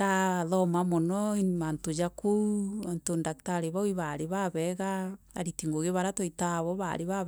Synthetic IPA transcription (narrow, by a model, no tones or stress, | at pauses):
aðɔmamonɔimantod͡ʒakouantondaktaɾeβaoiβaɾeβaβɛɣaa̰ɾitiŋɡoɣeβaɾatoitaβɔβa̰ɾeβa